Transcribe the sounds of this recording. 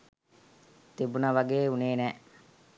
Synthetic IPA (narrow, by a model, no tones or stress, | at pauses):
t̪ebunɐʋaɡeːuneːnɛː